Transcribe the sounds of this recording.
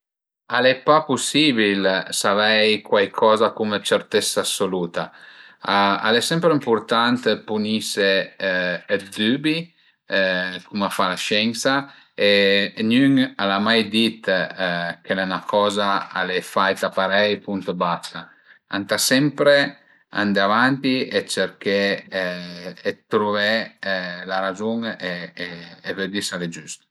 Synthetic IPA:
alepːapusiːbilsavɛjkwajkʰɔːzakumət͡ʃeɾt̪ɛsːaasoluːt̪aaa̰lɛsɛmpɾeimpurt̪ant̪punise | d̪ybi | kumafalaʃɛnsa | enyŋalamajd̪it̪ | k̟elɛnakɔːzaa̰lɛfajt̪apaɾɛjpunt̪basa | a̰nt̪asɛmpɾe | a̰nd̪avant̪iet͡ʃeɾke | t̪ɾuvɛ | laɾazuŋeː | ved̪isaled͡ʒyst̪

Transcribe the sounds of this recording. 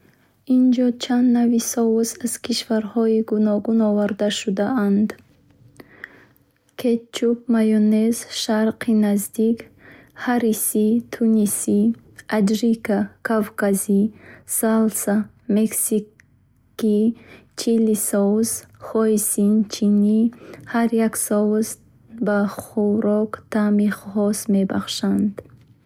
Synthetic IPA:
ind͡ʒɔt͡ʃʰand̪navisɔusaz̥kʰiʃvaɾhɔiɡunɔɡunɔvaɾd̪aʃud̪aand̪ | kʰet̪̚t͡ʃup̚majɔnezʃaɾqinazd̪ik | haɾisit̪ʰunisi | ad͡ʒɾikakʰavkazisalsa | meksi | ki | t͡ʃʰilisɔzχɔisint͡ʃʰinihaɾjaksɔvz | baχuɾɔkt̪ʰamiχɔsmebaχʃand̪

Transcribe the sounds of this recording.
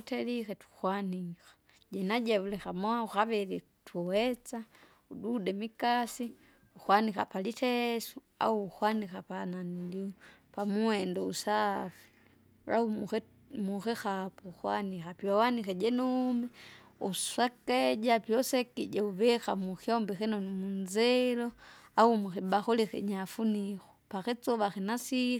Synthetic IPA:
utɛlixɛtu̥xwanixḁ | ɟɛnaɟɛulɛxamwauxaβɛɾi | tʰuwɛt͡sa | uɗudɛmikasi | uxwanixapalitʰɛsu | a̰uːxwanixapananlipamuɛndɔusafi̥ | ɾa̰u | muxɛxapɔxwanixapjɔwanixɛd͡ʒɛnumɛ | uswakɛd͡ʒapjɔsɛkid͡ʒɛuβɛxamuxiɔmbɛxɛnɔnimunzɛlɔaumuxibaxulixɛ̰ɲafunixɔ̥paxit͡sɔβaxinasi

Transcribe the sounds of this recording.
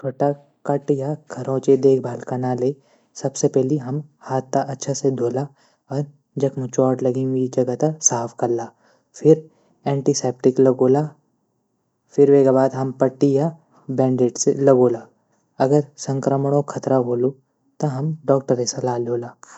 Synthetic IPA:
t͡ʃʰoːʈa | kɐʈjaɡʰɐɾõːt͡ʃed̪eːkʰbʱaːlkanaleː | sɐbsepɛɦliɦɐmhaːt̪ːaʔɐtːʃʰased̪ʱoːla | ɔːɾ | d͡ʒɐkmʊt͡ʃɔːʈlɐɡĩwɡid͡ʒɐɡət̪ɐsaːfʰkɐɾlaː | fʰɪɾ | ɛ̃ːɳʈiseːp̚ʈɪklɐɡoːlaː | fʰɪɾʋeːkabaːd̪ɦɐmpɐʈːija | bɛ̃ːɳɖeːʈselɐɡoːlaː | ɐɡəɾsɐ̃ŋkɾəmɽõkʰɐt̪ɾaboːlo | t̪ɐɦɐmɖɔːk̚ʈəɾesalaːlʱoːlaː

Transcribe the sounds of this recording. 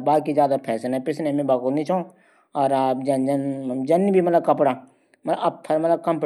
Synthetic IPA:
baːkizjaːd̪apʰɛːsenɛ̃pɪsnemẽbaːkonĩt͡ʃʰõ | ɔːɾd͡ʒɐnd͡ʒənd͡ʒɐnibʱimɐt̪ləb̚kɐpɽa | mɐt̪lbɐbt̪ʰɐɾmɐt̪ləb̚kɐ̃mp

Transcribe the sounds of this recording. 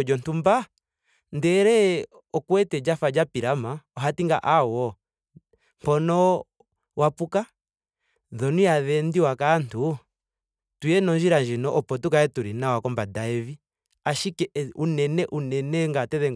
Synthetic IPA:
d͡ʒɔntumba | ndɛɾɛ | ɔkwɛtɛd͡ʒafad͡ʒapiɾamaɔɦatiŋɡa̰ʔawɔ | m̥pɔnɔ | wapuka | ðɔnujaðɛndiwakantu | tujɛnɔɲd͡ʒiɾaɲd͡ʒinɔʔɔpɔtukaɛtuɾinawakɔmbadaɛvi | aʃikɛunɛnɛʔunɛnɛŋɡatɛðɛŋ

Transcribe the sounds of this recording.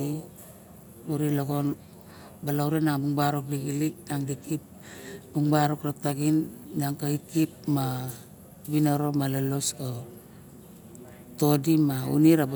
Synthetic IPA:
uɾiloɡon | balawɾenaŋbuŋbaɾok̚diɡilik̚naŋdikip | buŋbaɾokɾataɡinnaŋkaikipma | binaɾo̞malaloso | to̞dimaṵniɾa

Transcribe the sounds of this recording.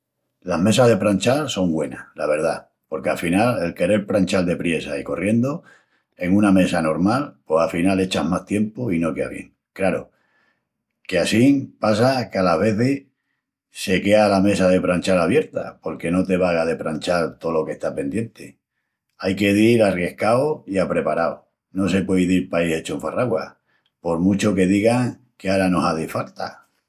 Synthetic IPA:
lame̞saɦðe̞pɾant͡ʃalso̞ŋɡwe̞nalaβe̞ɾða | po̞ɾkeafinale̞lke̞ɾe̞ɾpɾanʲt͡ʃald̪e̞pɾje̞saiko̞rje̞nd̪o̞ | e̞ŋũname̞sano̞ɾmalpwo̞safinale̞t͡ʃamast̪je̞mpoino̞ke̞a̰βje̞̰ŋ | kɾaɾo | ke̞asiŋpas̬akealaβe̞θe | se̞ke̞alame̞sað̞e̞pɾant͡ʃalaβje̞ɾt̪a̰po̞ɾke̞no̞t̪e̞βaɣaðe̞pɾanʲt͡ʃalt̪o̞lo̞ke̞ht̪apẽ̞nd̪je̞nt̪e̞ | ajke̞ðiɾarje̞hkaoiapɾe̞paɾao | no̞s̬e̞pweiðilpaihe̞t͡ʃoeɱfaraɣwa̰ | po̞ɾmut͡ʃo̞ke̞ðiɣaŋ | keaɾano̞saðefalt̪a̰

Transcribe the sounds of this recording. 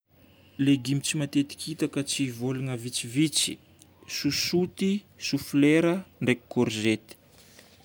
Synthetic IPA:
leɡimit͡simat̪et̪i̥kʲʰit̪akət͡sivoluŋəvit͡sivit͡si̥ | susut̪i | sufleɾəɳɖ͡ʐeki̥koɾzet̪i̥

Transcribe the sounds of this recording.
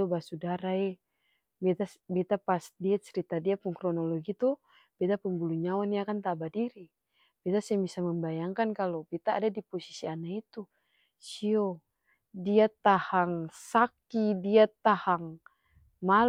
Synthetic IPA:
obasudaɾaɛ | bɛt̪asbɛt̪apasdiɛt͡ʃəɾit̪adiapuŋkɾɔnɔloɡit̪u | b̥ɛt̪apuŋbuluɲawanjakant̪abadiɾi | b̥ɛt̪asɛɛmbisaməmbajaŋkankalobɛt̪a̰ːdadiposi̥sianait̪u | sio | diat̪ahaŋsakidiat̪ahaŋ | ma

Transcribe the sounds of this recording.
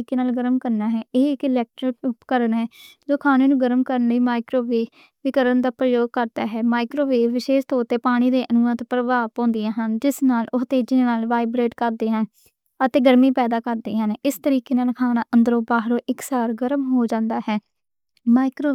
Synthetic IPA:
iːkeːnaːlɡəɾəmkəɾnaːɦɛːʔeːɪkɪlɛːk̚ʈɾɪkkəɾənɦɛːd͡ʒoːkʰaːneːnũːɡəɾəmkəɾniːmaːɪkɾoːʋeː | ʋɪkəɾənd̪aːpɾəjoːɡ̚kəɾd̪aːɦɛːmaːɪkɾoːʋeːʋɪʃeːʃt̪oːʊt̪ːeːpaːɽ̃iːd̪eːʔənuːə̃ːt̪pɾəʋaːõːnd̪ɪjãːɦənd͡ʒɪsnaːlʊst̪eːd͡ʒɪneːnaːlʋaːɪbɾeːʈkəɾd̪eːɦãːn | ət̪eːɡəɾmiːpɛːd̪aːkəɾd̪eːɦənɪst̪əɾiːkeːnaːlkʰaːnaːʔənd̪əɾõːbaːɦɾoːʔɪksaːɾɡəɾəmɦoːd͡ʒãːnd̪aːɦɛː | maːɪkɾoː

